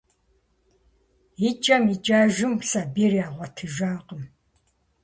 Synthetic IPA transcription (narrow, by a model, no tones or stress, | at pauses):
it͡ʃʼɐmit͡ʃʼaːʒɪmsabiːrjaːʁʷɐtʰɨʒaːqʼəm